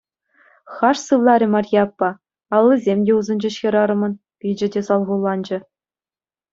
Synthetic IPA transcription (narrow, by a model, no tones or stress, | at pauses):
χɑʂsɯʋlˠɑɾʲɘ̆mɑrʲjɑpːɑ | ɑlˠːizʲemʲdʲeuzɤ̆nʲd͡ʑɘ̆ɕʲĕɾɑɾɤ̆mɤ̆n | pʲid͡ʑɘ̆dʲesɑlˠʁulˠːɑnd͡ʑɘ̆